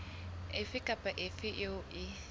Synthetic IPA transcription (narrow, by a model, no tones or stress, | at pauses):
ɪfɪkʼapʼaʔɪfɪʔoʔɪ